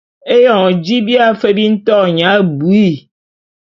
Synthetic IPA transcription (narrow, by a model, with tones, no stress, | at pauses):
e˦jɔ˨d͡ʒi˦bi˦a˦fe˦bi˦n̩˦t̪ɔ˦˨ɲã˨˦˨bu˨i˦˨